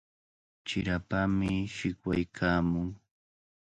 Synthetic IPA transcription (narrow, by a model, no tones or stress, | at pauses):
t͡ʃɪɾapamɪʃɪkwajkʰaːmʊŋ